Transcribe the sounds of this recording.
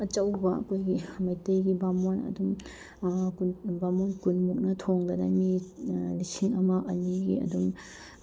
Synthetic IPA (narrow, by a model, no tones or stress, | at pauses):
ɐt͡ʃɐwbɐɐ̰kʰojɡimɐjtejɡibamonɐ̰dum | kubamonkunmuk̚nɐtʰoŋdɐdɐ̰milisiŋɐmɐʔɐniɡḭɐ̰dum